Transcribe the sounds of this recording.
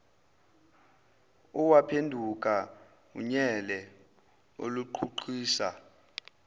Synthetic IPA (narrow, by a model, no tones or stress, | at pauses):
uwapʰendʱuk̬ʼa | ṵɲɛlɛ | o̰luǃʰuǃʰiːsa